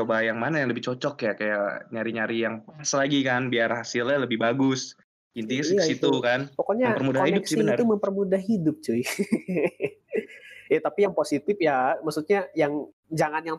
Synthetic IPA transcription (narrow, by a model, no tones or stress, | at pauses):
t͡ʃobajaŋmanajaŋləbɪht͡ʃɔt͡ʃɔkjakajaɲaɾiɲaɾijaŋpaslaɡikanbiarhasɪlɲaləbɪhbaɡʊs | int̪iskəsit̪ukanpɔkoɲapərmudahidʊpsiənuməmpərmudahɦidʊp̚t͡ʃuj | jat̪apijaŋposit̪ɪfjamaksut̪̚ɲajaŋ | d͡ʒaŋanjaŋ